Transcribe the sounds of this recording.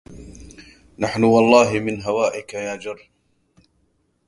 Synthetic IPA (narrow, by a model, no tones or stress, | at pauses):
naħnʊwɑlˤːɑːɦɪmɪnɦawaːʔɪkajaːd͡ʒɑrˤː